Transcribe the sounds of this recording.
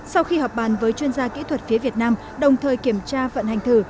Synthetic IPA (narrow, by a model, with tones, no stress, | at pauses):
sa˧wxi˧hɔː˨˩p̚ɓaː˨˩nvəː˨˦jt͡ɕwi˧ənzaː˧kḭ˧˥t̪ʰwə˨˩t̚fi˨˦əvi˨˩ət̚naː˧m | ɗə˨˩wŋ͡mt̪ʰəː˨˩jki˧˩əmt͡ɕaː˧və̰˧˨nha˨˩jŋ̟t̪ʰɨ˧˩